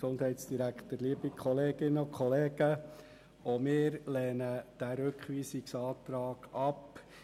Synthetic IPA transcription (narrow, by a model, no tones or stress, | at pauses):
sond̥hɛɪtsd̥iɾækχt̪əɾliəbikʰχɔleːɡ̥ɪnəɔkʰχɔleːɡ̥ə | omɪːɾlɛːnəd̥æɾøkχʋiːsiksɑːt̪ɾɑːɡ̥ɑp